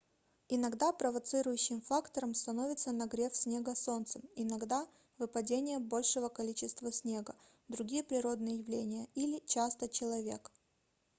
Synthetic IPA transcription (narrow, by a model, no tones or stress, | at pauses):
ɪnɐɡd̪apɾəvɐt̪sɨɾʊjʉɕːɪmfakt̪əɾəmst̪ɐno̞vʲɪt̪sənɐɡɾʲe̞fsʲnʲe̞ɡəso̞nt̪səmɪnɐɡd̪a | vɨpɐdʲenʲɪjəbo̞lʲʂɨvəkɐlʲit͡ɕɪst̪vəsʲnʲe̞ɡə | d̪ɾʊɡʲijəpɾʲɪɾo̞d̪nɨjəjɪvlʲenʲɪjəilʲɪt͡ɕast̪ət͡ɕɪlˠɐvʲe̞̰k